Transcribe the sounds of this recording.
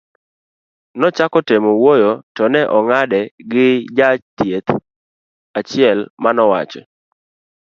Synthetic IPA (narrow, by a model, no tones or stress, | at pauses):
nɔt͡ʃakɔtemowojotɔnɛʔɔŋadɛɡɪd͡ʒat͡ʃtjet̪ | at͡ʃɪɛlmanɔwa̰t͡ʃɛ̰